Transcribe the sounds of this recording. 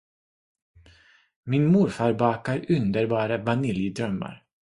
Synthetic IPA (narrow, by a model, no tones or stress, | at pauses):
mɪnmʊɾfɑːɾbɑːkaɾɵnd̪əɾbɑːɾəvanɪljəd̪ɾœmːa̰ɾ